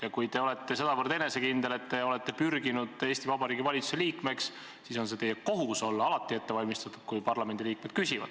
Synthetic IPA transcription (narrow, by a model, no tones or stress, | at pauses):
jɑkujt̪e̞o̞le̞t̪ːe̞se̞d̪ɑvɤɾd̪̥e̞ne̞se̞kind̪e̞le̞t̪ːe̞o̞le̞t̪ːe̞pyrɡinud̪̥e̞ːst̪ivɑbɑɾiːɡivɑlʲit̪su̥se̞liːkme̞ks | siso̞ns̬e̞t̪e̞jːeko̞ɦuso̞lːɑlɑt̪ˑːie̞t̪ːe̞vɑlʲmist̪ɑt̪ːˑud̪̥kujpɑrlɑme̞nd̪iliːk̚me̞d̪̥̚kysʲivɑ̰d̪̥